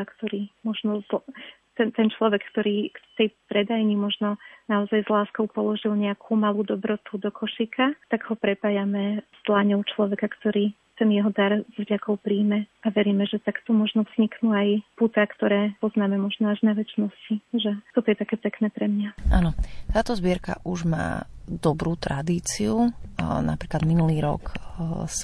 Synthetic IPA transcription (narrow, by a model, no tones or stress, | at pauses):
kt̪ɔɾiːmɔʒnɔzl | t̪ɛnt̪ɛnt͡ʃlɔʋɛkːt̪ɔɾiːkt̪ɛjpɾɛd̪ajɲimɔʒnɔnaɔzajzlaːskɔʊpɔlɔʒilɲɛakʰuːmaluːd̪ɔbɾɔt̪ud̪ɔkʰɔʃikʰat̪aɡɦɔpɾɛpaːjamɛst̪laɲɔʊt͡ʃlɔʋɛkakt̪ɔɾiː | t̪ɛnjɛɦɔd̪aɾzʋɟakɔʊpɾiːmɛaʋɛɾiːmɛʒɛt̪akt̪ɔmɔʒnɔvz̥ɲiknuːajput̪akt̪ɔɾɛːpɔznaːmɛmɔʒnɔaʒnaʋɛt͡ʃnɔsciʒɛt̪ɔt̪ɔjɛt̪akɛːpɛknɛːpɾɛmɲaʔanɔt̪aːt̪ɔzbɪɛɾka̰ʔuʒma̰ːd̪ɔbɾuːt̪ɾʔa̰d̪iːt͡siuna̰pɾiːklad̪minuliːɾɔ̰ks